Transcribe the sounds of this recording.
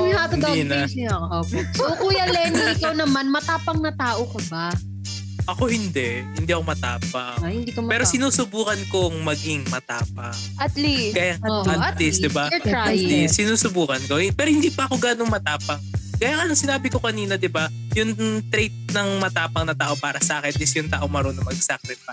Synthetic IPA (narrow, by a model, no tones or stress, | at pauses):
aninɐosokuːjɐlɛnɪkɐwnɐmanmɐt̪aːpɐŋnɐt̪aːʔokɐba | ʔɐko̞hɪnd̪ɛʔhɪnd̪iːʔɐkomɐt̪a̰ːpɐhɪnd̪ikpɛːɾosɪnuːsʊbuːkɐnko̞ŋmɐɡɪŋmɐt̪a̰ːp̚ɐ | ɐt̪liɡaːjaŋɐlisd̪ɪbalisɪnuːsʊbuːkɐnkohɪpɛːɾohɪnd̪iːpɐʔɐko̞ɡaːnoŋmɐt̪aːpɐŋ̚ɡ̥aːjaŋɐnɐŋsɪnaːbɪko̞kɐniːnɐd̪ɪba | jʊŋt̪ɾejt̪̚nɐŋmɐt̪aːpɐŋnɐt̪aːʔo̞paːɾɐsɐʔaːkɛnɪsjʊŋt̪aːʔo̞ŋmɐɾonomɐɡsak̚ɾɛfa